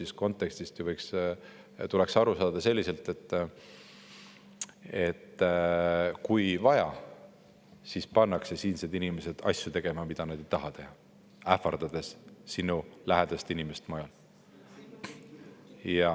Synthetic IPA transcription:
sis̚ko̞nt̪ːˑekst̪ist̪juvɤjks | t̪ule̞ksɑɾusɑːd̪̥ɑse̞lːise̞lt̪ːˑe̞t̪ː | e̞t̪ː | kujvɑjɑ | sispɑnːɑkse̞siːnsed̪inimese̞d̪̥ɑ̰sʲjut̪e̞ɡ̥e̞mɑmid̪̥ɑnɑd̪ejt̪ɑɦɑt̪e̞hɑ | æfɑrd̪̥ɑd̪̥esːinulæɦed̪̥ɑst̪inimest̪mojɑl | jɑ

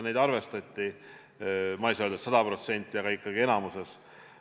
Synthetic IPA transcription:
nejd̪ɑrve̞st̪ɑt̪ʲːi | mɑjsɑøld̪ut̪sɑd̪ɑpro̞t̪se̞nʲt̪ʲːˑiɑɡɑikːɑɡie̞nɑmuse̞s

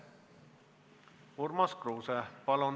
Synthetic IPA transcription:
ormɑskroːsɛpɑlon

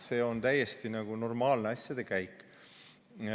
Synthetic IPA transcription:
se̞ːo̞nt̪æjːe̞st̪inɑɡ̥uno̞rmɑːlneɑsʲjɑd̪̥e̞kæjkːˑ

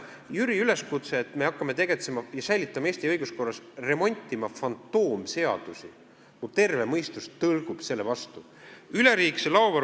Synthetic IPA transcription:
jyɾiyle̞skut̪seːt̪ːˑme̞ɑkːɑme̞t̪e̞ɡ̥et̪se̞mɑjɑsæjlit̪ːˑɑmɑeːsʲt̪iɤjɡ̥usko̞rːɑsre̞mo̞nʲt̪ʲːˑimɑfɑnt̪ˑːo̞ːmse̞ɑ̰d̪̥usi | kut̪e̞rvemɤjst̪ust̪ɤlɡ̥ub̥se̞lːe̞vɑst̪u | yle̞ɾiːkselɑovɑ

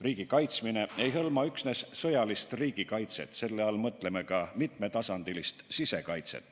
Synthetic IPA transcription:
riːɡ̥ikɑjt̪smine̞e̞jɦɤlmɑyksne̞ssɤ̞jɑlist̪riːɡ̥ikɑjt̪se̞̰t̪ːˑse̞lːe̞ɑlmɤt̪ːˑle̞me̞kɑmit̪me̞t̪ɑsɑnd̪̥ilist̪sise̞kɑjt̪se̞̰t̪ːˑ

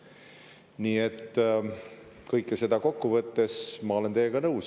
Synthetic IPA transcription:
niːet̪ː | kɤjkːˑese̞d̪ɑko̞kːuvɤt̪ːe̞smɑo̞le̞nt̪e̞ːeɡ̥ɑnɤws

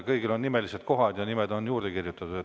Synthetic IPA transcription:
kɤjɡilonːime̞lise̞d̪̥̚ko̞ɦɑd̪̥jɑnimed̪o̞njuːrd̪̥ekirjut̪ːˑɑt̪u̥et

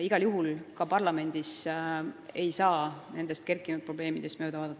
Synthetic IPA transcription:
iɡ̥ɑljuɦulkɑpɑrlɑme̞nʲd̪̥is | e̞jsɑːne̞nd̪̥e̞st̪ke̞rkːˑinud̪̚pro̞b̥le̞ːmid̪̥e̞st̪mø̞ːd̪ɑvɑːd̪ɑt̪ːˑ

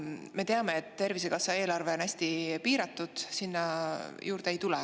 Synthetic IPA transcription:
me̞t̪eɑme̞et̪t̪ːe̞rvise̞ɡ̥ɑsɑe̞ːlɑrve̞onæsʲt̪ipiːɾɑt̪ːˑud̪̥sinːɑjʔuːɾd̪̥e̞jt̪ulɛ

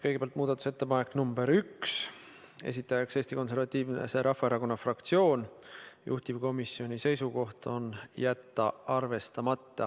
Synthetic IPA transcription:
kɤjɡeb̥æɑlt̪muːd̪ɑt̪ːˑu̥set̪ːe̞pɑne̞kːˑnumbe̞ɾyks | e̞̰sit̪ːˑɑjɑkse̞ːst̪iko̞nse̞rvɑt̪ʲːiːvneseɾɑfːɑeɾɑko̞nːɑfrɑkt̪sio̞ːnjṵht̪ib̥ko̞misːio̞nʲise̞jsuko̞ht̪o̞njæt̪ːɑɑrve̞st̪ɑmɑt̪ːɑ

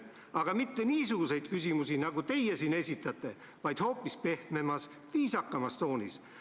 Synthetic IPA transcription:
ɑɡ̥ɑmit̪ːe̞niːs̬uɡ̥use̞jd̪̥kys̬ʲimusinɑɡut̪e̞jesine̞sʲit̪ːˑɑt̪ːˑe̞ | vɑjd̪̥ho̞ːpːispe̞hme̞mɑs | viːsɑkːˑɑmɑst̪o̞ːnḭs

